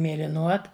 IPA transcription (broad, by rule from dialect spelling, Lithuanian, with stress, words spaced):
mʲeːlʲɪˈnuɔt